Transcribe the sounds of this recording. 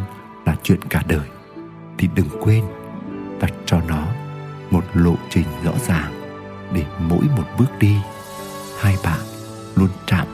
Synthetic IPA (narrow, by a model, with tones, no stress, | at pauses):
laː˨˩t͡ɕwḭ˧˨ənkaː˧˩ɗəː˨˩j | t̪ʰi˨˩ɗɨ˨˩ŋkwe˧n | t̪a˨˩t̚t͡ɕɔ˧nɔ˨˦mo˨˩t̚lo̰˧˨t͡ɕï˨˩ŋ̟zɔ̰˧˥zaː˨˩ŋ | ɗe˧˩mo̰˧˥jmo˨˩t̚ɓɨ˦˥ək̚ɗi˧ | haː˧jɓa̰ː˧˨n | lu˧ənt͡ɕa̰ː˧˨m